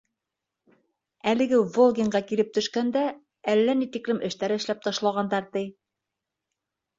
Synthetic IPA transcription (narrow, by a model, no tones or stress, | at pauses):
ælɘ̆ɡɘvolˠɡʲɪŋɢɑkilɘp̚t̪ɵ̆ʃkænd̪æ | ælːænit̪iklɘmʔɘ̆ʃt̪æɾɘɘ̆ʃlæp̚t̪ɑʃlˠɑʁɑnd̪ɑɾt̪ɘj